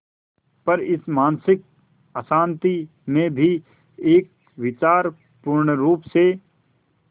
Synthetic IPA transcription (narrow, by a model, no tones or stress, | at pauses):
pɐɾɪsmaːnsɪk̚ | əsãːnt̪i | mẽbʱi | eːk̚ | ʋɪt͡ʃaːɾ | pʊɾɳəɾuːpse